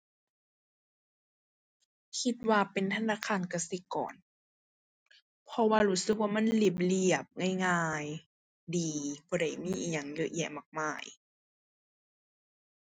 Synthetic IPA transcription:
kʰi˧t̪̚waː˧pe˨nt̪ʰa˧˥naː˧˥˨kʰaː˧˥˨nka˧˩si˧˦kɔ̰ː˨˩n | pʰɔ˧waː˧ɾuː˧˥˦sɯ˧˦k̚waː˧˨ma˧˥˨nnli˧˩p̬̚li˧˩əp̚ŋa˧˨jŋaː˧˩j | diː˨b̥ɔː˧˩da˧˩jmiː˧˥˨ʔiː˧˨˩ɲa˨˩˨ŋjɤ˧ʔjɛ̰˧˨maː˧˩k̚maː˧˩j

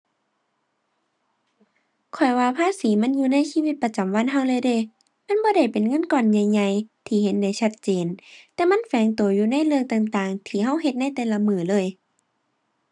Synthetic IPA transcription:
kʰɔ˨˩jwaː˧pʰaː˧˥˨siː˨˦ma˧˥˨njuː˧˨na˧˥˨jsiː˧˨wi˧t̪̚pa˧t͡ɕa˨mwa˧˥˨nɦa˧˩wlɤː˧˥˨jdeː˧˩˨ | ma˧˥˨nbɔː˧˦ɾa˧˩jpe˨nŋɤ˧˥˨nkɔː˧˨nɲa˧jɲa˧jt̪ʰiː˧he˨˧˦nda˧˩jt͡ɕʰa˧t̪̚t͡ɕeː˨nt̪ɛː˧ma˧˥˨nfɛː˨˦ŋt̪u˨˩˦juː˧na˧˥˨jlɯ˧əŋt̪aː˧˩ŋt̪aː˧˩ŋt̪ʰiː˧˩ɦa˧˥˨wɦe˧t̪̚na˧˥˨jt̪ɛː˧˩la˧mɯː˧˩lɤː˧˥˨j

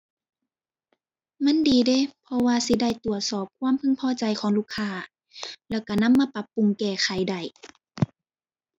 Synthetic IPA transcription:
ma˧˥˨ndiː˨de˧˦˨pʰɔ˧waː˧si˧˦da˧˩˨jt̪u˨˩ət̪̚sɔː˨˩p̚kʰwaː˧˥˨mpʰɯ˧˥˨ŋpʰɔː˧˨t͡ɕa˨˩jkʰɔː˨˦ŋluː˧˩˨kʰːaː˧˩˨ | lɛː˧˩wka˧˩na˧˥˨mːaː˧˥˨pa˧˦pːu˧˨ŋkɛː˧˩xʰa˨˩jda˧˩j

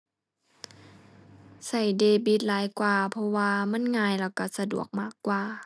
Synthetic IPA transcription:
sa˧˩jdeː˧bi˧˦t̪̚laː˨˦jkwaː˨˧pʰɔ˧waː˧ma˧˥˨nŋaː˧˨jlaː˧˩wka˧˩sa˧du˨˩ək̚maː˧˥˩kːwaː˨˩

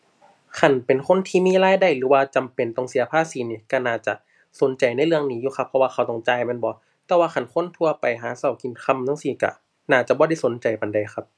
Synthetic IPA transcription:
kʰa˧˩npe˨nkʰo˧˥˨nt̪ʰiː˧˨miː˧˥˨laː˧˥˨jda˧˩jlɯː˨˦waː˧t͡ɕa˨mpe˨nt̪ɔ˧˨˩ŋsi˨˦ɐpʰaː˧˥˨siː˨˦niː˧˩ka˧˩naː˧˩t͡ɕa˧˩ | so˨˦nt͡ɕa˨˩jna˧˥˨jlɯ˧əŋniː˧˦˥juː˧kʰxʰa˧˥pʰːɔ˧waː˧xʰa˧˩wt̪ɔ˧˩ŋt͡ɕaː˧˨jmɛ˧˥˨nbɔː˧˦ | t̪ɛː˧waː˧xʰa˧˥˨nkʰo˧˥˨nt̪ʰu˧ɐpa˨˩jɦaː˨˩˦sa˧˩wki˨nkʰa˧˥˨mnɔ˧˥ŋsiː˧˩ka̰˧˩ | naː˧˩t͡ɕa˧˦bɔː˧˦a˧˥˨jso˨˦nt͡ɕa˨˩jpa˨nda˨˩jxʰa˦˧˥p̚

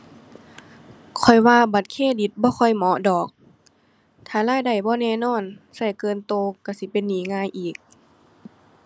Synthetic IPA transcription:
kʰɔ˨˩jwaː˧ba˨˦t̪̚kʰeː˧˥˨di˧˦t̪̚bɔː˧˦kʰɔ˧˩jmɔ˧˦dɔː˨˩k̚ | t̪ʰaː˧˩laː˧˥˨jda˨˩jbɔː˧˦nɛː˧˨nɔː˧˥˨nsa˧˩jkɤː˧˨nt̪oː˧ka˧˩si˧˦pe˧˨nːiː˨˦ŋaː˧˥˨jʔiː˨˩k̚

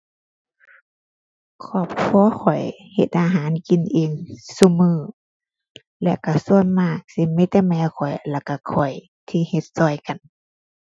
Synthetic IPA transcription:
kʰɔː˧˩p̚kʰɔː˧˥˦xʰɔ˨˩jhe˧t̪̚ʔaː˧ɦaː˨˦nki˨nʔeː˧˨ŋsu˧˦mɯː˧˩ | lɛ˧˩wka˧˩su˧ənmaː˧˩k̚si˧˦mɛ˧˥t̪ɛː˧mɛː˧˩kʰɔ˨˩jla˧˩wka˧˩kʰɔ˨˩j | t̪ʰiː˧he˧˦t̪̚sɔː˧˩jka˨n

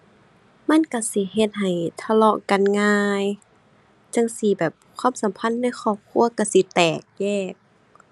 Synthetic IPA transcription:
ma˧˥˨nka˧˩si˧˦ɦe˧t̪̚ɦa˨˩jt̪ʰa˧lɔ˧ka˧˨nŋaː˧j | t͡ɕa˧˥˨ŋsi˧˦bɛː˨˩p̚kʰwaː˧˥˨msa˨˦mpʰa˧˥˨nːa˧˥˨jxʰɔː˧˩p̚kʰu˧˨ɐka˧˩si˧˦t̪ɛː˨˩k̚jɛː˧˩k̚

